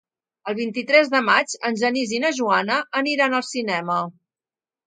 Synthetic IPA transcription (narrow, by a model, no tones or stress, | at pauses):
əlˠβ̞int̪it̪ɾɛzðəmad͡ʒənʲʒənizinəʒuanəːniɾanəlˠsinɛmə